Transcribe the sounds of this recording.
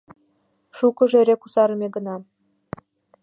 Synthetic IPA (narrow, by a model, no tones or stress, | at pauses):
ʃukə̆ʒeɾekusɑɾə̆mʲeɡə̆nɑ